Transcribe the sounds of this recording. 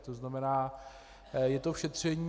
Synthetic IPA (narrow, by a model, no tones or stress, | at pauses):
t̪oznamɛnaː | jɛt̪ofʃɛt̪r̝̥ɛɲiː